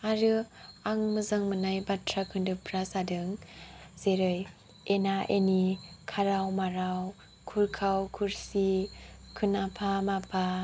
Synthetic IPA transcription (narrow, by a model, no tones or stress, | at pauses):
aɾɯaŋmɯzɯŋmɯnajbatʰɾakʰɯndɯpɾasadɯŋz̥eɾɯj | enaʔenikʰaɾawmaɾaw | kʰuɾkʰawkʰuɾsikʰɯnapʰamapʰa